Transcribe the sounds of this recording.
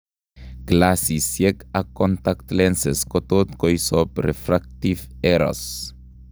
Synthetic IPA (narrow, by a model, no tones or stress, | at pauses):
ɡ̥lasisjɛkakːɔnt̪akt̪lɛnseskɔt̪ot̪kɔjsɔpɾefɾak̚t̪ifeɾɔ̰s